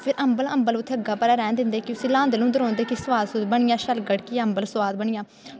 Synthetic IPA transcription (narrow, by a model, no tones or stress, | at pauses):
pʰɪɾʔəmbələmbəlʊt̪ʰːeːəɡaːpəɾaːɾɛ̃ːnd̪ɪ̃nd̪eːkjsĩːlãːnd̪lũːd̪əɾɔ̃ːnd̪eːkisʋaːd̪sʊd̪bəɳɪjãːʃəlɡəɽkiːəmbəlsʋaːd̪̚bəɳɪjãː